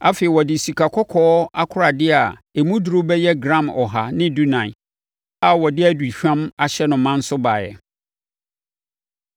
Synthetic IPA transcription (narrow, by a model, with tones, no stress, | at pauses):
a˦fe˨i˨wɔ˨dɪ˨si˨kʰa˨kʰɔ˦kʰɔː˦a˦kʰʊ˦ɾa˨dɪ˦a˨e˨mũ˦dɾo˦bɛ˦jɛ˦ɡɾã˦mɔ˨ɦa˨nɪ̃˦du˦nã˨ | a˨wɔ˨dɪ˦æ˨dɥi˨ɕᶣã˦ma˨ɕɛ˦nʊ̃˨mːã˦n̩˦sʊ˦ba˨jɛ̰˨